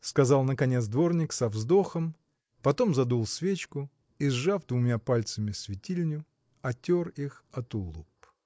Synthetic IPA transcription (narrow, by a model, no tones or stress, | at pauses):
skɐzɑlˠnəkɐnʲet̪sd̪vo̞rnʲɪksɐvzd̪o̞xəm | pɐt̪o̞mzɐd̪ulˠsvʲet͡ɕkʊ | ɪzʐafd̪vʊmʲapalʲt̪səmʲɪsvʲɪtʲilʲnʲʊ | ɐtʲorixɐt̪ʊlˠup